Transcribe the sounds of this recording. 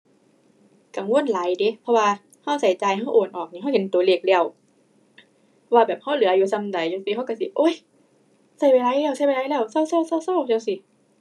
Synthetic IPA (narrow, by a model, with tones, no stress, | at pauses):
ka˨˩˦ŋwu˧˥ə˨nla˨˦jde˨˦pʰɔ˧waː˧ | ha˧˩wsa˨˩˦jt͡ɕaː˨˧jɦa˧˥˩wʔoː˨˩nʔɔː˨˩k̚ni˧a˧˨whe˨˦nt̪u˨˩˦leː˧˩k̚lɛ˧˩ə˨w | pʰɔ˧waː˧bɛː˨˩p̚ha˧˥˩wlɯ˨˦˧juː˧˦sa˧mda˨˦jt͡ɕo˧˦ŋsi˧ɦa˧˥˨wka˧˩˨si˧˦ʔoː˧˥˨j | sa˧˩jwa˧˩˧la˧˨lɛː˧˥˩wsa˧˩jwa˧la˧˥jlɛː˧˩wsa˧˩˨wsa˧˩˨wsa˧˩˨wsa˧˩˨wt͡ɕa˧˨wsi˧˦